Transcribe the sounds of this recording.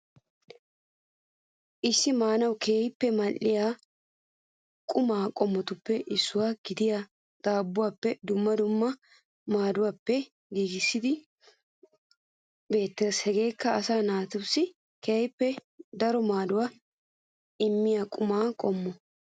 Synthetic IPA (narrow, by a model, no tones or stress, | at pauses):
ʔɪsːɪmaːnɐwkeːjɪpːɛmɐlːɪjaː | kʼʊmaːkʼɔmːɔt̪ʊpːɛʔɪsːʊwaːɡ̥ɪd̪ɪja | d̪̥aːbːʊwaːpːɛd̪ʊmːɐd̪ʊmːɐ | maːd̪ʊwaːpːɛ | ɡiːɡɪsːɪd̪ɪ | be̞ːt̪ːɛɾshɛɡe̞ːkːɐɐsaːnaːt̪ʊbsɪ | keːjpːɛd̪ɐɾɔmaːd̪ʊwaː | ɪmːɪjaːkʼʊmaːkʼɔmːɔ